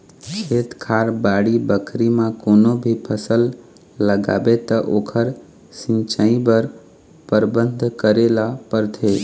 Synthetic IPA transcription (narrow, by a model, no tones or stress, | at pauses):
kʰet̪kʰaɾbaɽibəkʰɾimãkonobʱipʰəsəlː | əɡa̰bet̪əʔokʰəɾ | sɪ̃nt͡ʃəĩbəɾ | pəɾbə̃nd̪ʱkəɾelapəɾt̪ʰe